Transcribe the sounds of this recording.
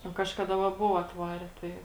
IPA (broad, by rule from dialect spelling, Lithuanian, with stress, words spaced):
nʊ ˈkɑːʃkɐdɐ ʋɐ ˈbʊʋoː ɐtˈʋɑːrʲɛ ˈtɐɪ